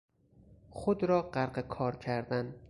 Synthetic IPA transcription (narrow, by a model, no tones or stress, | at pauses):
χod̪ɾɒːɢæɾɢekʰɒːɾcʰæɾd̪æn